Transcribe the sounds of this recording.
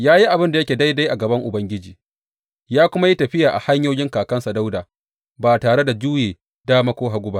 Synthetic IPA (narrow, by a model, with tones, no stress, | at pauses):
jaː˦ji˦ʔa˨bɪ˦nda˨jɐ˦kʲeː˨da˦jda˦jʔa˨ɡɐ˨bɐ˦ŋʔʊ˨bɐ˦ŋɡʲɪ˦d͡ʒiː˨ | jaː˦kʷʊ˦ma˦ji˦tɐ˨ɸɪ˦jaː˨ʔa˨ha˦ɲjoː˦jɪ˦ŋkaː˨kɐ˦nsa˨da˦wdaː˨ | baː˨taː˨ɽe˦da˨d͡ʒuː˦jeː˨ | daː˦ma˦kʷoː˦ɦa˨ɡʷʊ˦ba˦ʔ